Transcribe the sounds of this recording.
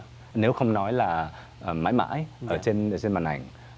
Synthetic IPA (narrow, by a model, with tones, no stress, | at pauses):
ne˨˦wxə˧wŋ͡mnɔ˨˦jlaː˨˩ | ʔə˨˩ma̰ː˧˥jma̰ː˧˥jʔəː˧˩t͡ɕe˧nə˧˩t͡ɕe˧nmaː˨˩nʔa˨˩jŋ̟